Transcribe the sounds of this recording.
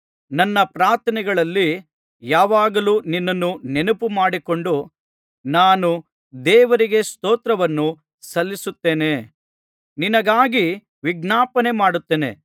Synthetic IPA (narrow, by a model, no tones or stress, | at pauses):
nɐnːɐpɾaːɾt̪ʰɐnɛɡɐɭɐlːi | jaːʋaːɡɐluːninːɐnːunenupumaːɽiko̞ɳɖu | naːnu | d̪ɛːʋɐɾiɡe̞st̪oɔːt̪ɾɐʋɐnːu | sɐlːisut̪ːeːne̞ | ninɐɡaːɡi | ʋiɡnaːpɐne̞maːɽut̪ːeːnḛ